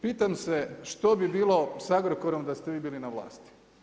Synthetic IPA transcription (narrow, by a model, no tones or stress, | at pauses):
piːt̪amseʃt̪o̞bibiːlˠo̞saɡɾokoɾomd̪ast̪eʋiːbiːlinaʋlˠa̰ːst̪i̥